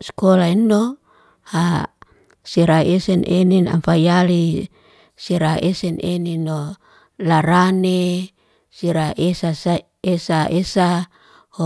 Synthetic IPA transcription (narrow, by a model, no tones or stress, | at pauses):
skolainːo | ha | siɾaɛsɛnʔenina̰mfajali | siɾaʔɛsɛnʔenino | laɾane | siɾaʔesas | esaʔesa | ho